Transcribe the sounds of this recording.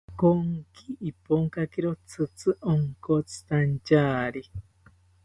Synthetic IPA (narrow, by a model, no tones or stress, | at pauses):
koŋkiipoŋkakiɾot͡sʰɨt͡sɨʔoŋkot͡sʰɨ̥t̪ant͡ʃaːɾi